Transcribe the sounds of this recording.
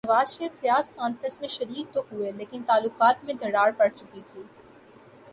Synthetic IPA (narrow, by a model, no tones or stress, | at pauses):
nɐʋaːzʃɾiːfɾijaːzkɔːnfɾə̃smẽʃɐɾiːk̚t̪oɦueleːkɪnt̪aːlːʊqaːt̪mẽd̪ɐɽaːɾpɐɽt͡ʃʊkit̪ʰiː